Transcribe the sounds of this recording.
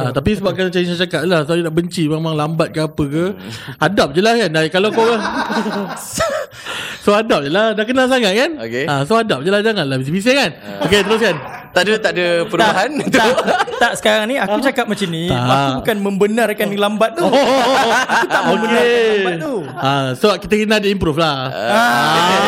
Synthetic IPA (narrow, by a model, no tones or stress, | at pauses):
ãt̪apisəbap̚kant͡ʃaisat͡ʃakap̚lahsoad͡ʒədaʔbəɲt͡ʃimemãŋlambat̪̚kəapəkəadap̚d͡ʒəlahkandakalakoa | soadap̚d͡ʒəladaʔk̬ənalsaŋat̪̚kanokeasoadap̚d͡ʒəlahd͡ʒaŋanlabisibis̬ekanoket̪əɾos̬kant̪adət̪aʔdəpəɾuaɦant̪uat̪aʔsə̥kaɾaŋniakut͡ʃakap̚mat͡ʃiniaakbukanmə̃mbənãɾakanlambat̪̚t̪u | ut̪aʔokeabauasəbap̚kit̪əkənadəimpɾuflaaa